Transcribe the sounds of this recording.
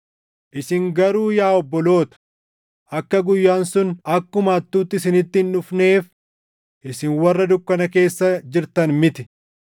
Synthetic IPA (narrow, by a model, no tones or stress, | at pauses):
ʔɪsɪŋɡɐɾuːjaːɔbːɔlo̞ːt̪ɐ̥ | ʔɐkːɐɡʊjːaːnsʊnɐkːʊmaːt̪ːuːt̪ːɪsɪnɪt̪ːɪnʊfne̞ːf | ʔɪsɪnwɐrːɐd̪ʊkːɐnɐke̞ːsːɐd͡ʒɪɾt̪ɐnmɪt̪ɪ̥